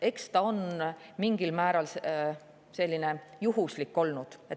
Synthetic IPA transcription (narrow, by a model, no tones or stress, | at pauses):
e̞kst̪ɑo̞nmiŋɡ̥ilmæːɾɑls | se̞lʲːine̞juɦuslikːo̞lnud̪̥et̪